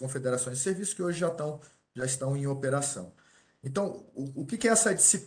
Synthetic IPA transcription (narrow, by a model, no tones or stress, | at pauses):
kõfed̪eɾasõj̃zɪseɾvisʊ̥skɪoʒɪʒat̪ɐ̃w̃ | ʒaist̪ɐ̃w̃ẽj̃opeɾasɐ̰̃w̃ | ẽt̪ɐ̃w̃ʊkɪkɪɛsɐd͡ʒisip